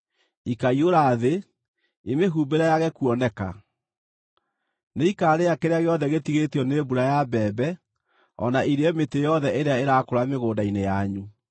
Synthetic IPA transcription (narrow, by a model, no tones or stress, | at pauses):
ikaioɾaðe | emeɦubeɾajaɣɛkuɔnɛka̰ | neikaːɾeakeɾeaɣeɔðɛɣetiɣetiɔnebuɾajabɛːbɛ | ɔ̰naʔiɾeɔmetejɔðɛʔeɾeaeɾakoɾameɣoːdainejaɲu